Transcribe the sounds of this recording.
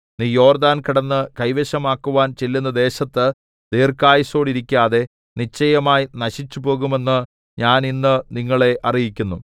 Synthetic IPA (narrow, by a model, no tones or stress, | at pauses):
niːjo̞ːrd̪aːnkiɽɐnːɨkɐjʋeɕɐmaːkːuʋaːnt͡ɕelːunːɐd̪e̞ːɕɐt̪ːɨ | d̪eːrkaːjɐso̞ːɽiɾikʲːaːðe̞ | nit͡ɕːɐjɐmaːjinɐɕit͡ɕːupo̞ːɣume̞nːɨ | ɲaːninːɨniŋːɐɭe̞ʔɐrijikʲːunːu